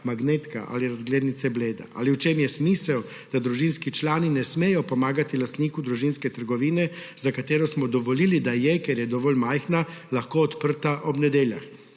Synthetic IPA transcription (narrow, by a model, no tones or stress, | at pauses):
maɡneːt̪ka̰ʔa̰liɾazɡleːd̪nit̪sɛbleːd̪a̰ʔa̰liwt͡ʃemjɛsmiːsɛw | d̪̥ad̪ɾuʒinskit͡ʃlaːninɛsmeːjɔpɔmaːɡat̪ilast̪niːkud̪ɾuʒinskɛt̪əɾɡɔʋiːnɛ | zakat̪eːɾɔsmɔd̪ɔʋɔlilid̪ajɛkɛɾjɛd̪ɔʋɔlmajxnalaxkoɔt̪pəɾt̪aʔɔbnɛd̪eːlja̰x